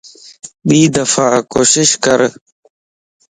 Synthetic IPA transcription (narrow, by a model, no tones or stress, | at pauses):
ɓiːd̪əfaːkoːʃɪʃkəɾ